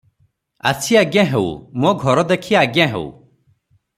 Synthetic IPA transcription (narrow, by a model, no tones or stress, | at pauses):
a̰sʰiaɡjaɦew̰mõɡʱɔɾɔd̪ekʰiaɡjaɦḛṵ